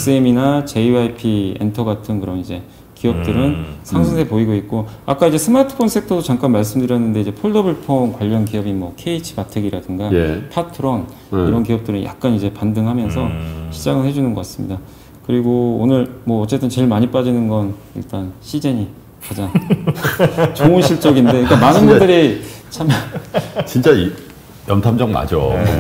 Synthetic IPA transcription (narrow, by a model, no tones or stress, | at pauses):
es͈ɯeminat͡ɕe̞iaipʰiḛntʰʌɡatʰɯnkɯɾʌnid͡ʑe̞ | kiʌp̚t͈ɯɾɯnsʰaŋsʰɯŋsʰepoiɡoik̚k͈oak͈̚aid͡ʑe̞sʰɯmatʰɯ̥pʰonsʰetʰʌdot͡ɕaŋk͈anmaɭs̬͈ɯmdɯɾijʌnːɯnde̞id͡ʑe̞pʰoɭdʌbɯɭpʰoŋkwaʎːʌnkiʌbimwʌkʰe̞it͡ɕʰi̥patʰeɡiɾadɯnɡapʰatʰɯɾon | iɾʌnkiʌp̚t͈ɯɾɯnja̰k̚k͈anid͡ʑe̞pandɯŋɦamjʌnsʰʌɕʰid͡ʑaɡɯɭhe̞d͡ʑunɯnɡʌk͈as͈ɯmɲḭda | kɯɾiɡoonɯɭmwʌːt͡ɕ͈e̞t͈ɯnt͡ɕe̞ɭmaɲip͈ad͡ʑinɯnɡʌn | ḭɭt͈anɕʰid͡ʑeɲi | kad͡ʑaŋ | t͡ɕoŋuɕʰiɭt͡ɕ͈ʌɡindde̞ik͈amanɯnbundɯɾit͡ɕʰam | t͡ɕint͡ɕ͈a | jʌntʰamd͡ʑʌŋma̰d͡ʑo